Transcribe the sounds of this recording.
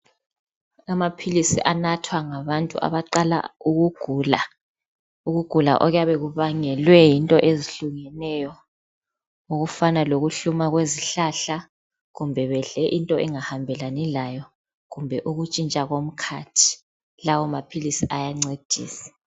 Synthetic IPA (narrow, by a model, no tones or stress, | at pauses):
amapʰilisḭʔanatʰwaŋaβantʼṵʔa̰βaǃala̰uɣuɡ̥ʱuːla | uɣuɡ̥ʱula̰ʔɔɣjaβeɣuβaŋɛlwɛjintʼɔʔeziɬuŋɛnɛjɔ | uɣufanaloɣuɬumaɣweziɬaɬa | ɣumbʱɛβɛɮɛʔintʼɔʔɛŋahambʱɛlanɛlajɔ | ɣumbʱɛʔuɣut͡ʃʼint͡ʃʼaɣom̩kʰatʰi̥ | lawɔmapʰilisiʔajaŋ͡ǀed̥ʱḭːsi̥